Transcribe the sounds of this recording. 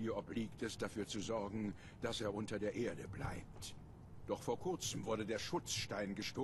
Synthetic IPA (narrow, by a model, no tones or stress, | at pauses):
iːɐʔɔpliːktʰɛsd̥afyːɐt͡suzɔɐɡŋ̩ | d̥aseːɐʔʊntɐdeːɐʔeːɐdəbla̰ɪp̚t | d̥ɔχfoːɐkʰʊɐt͡səmvʊɐdədeːɐʃʊt͡sʃtaɪnɡəʃtoː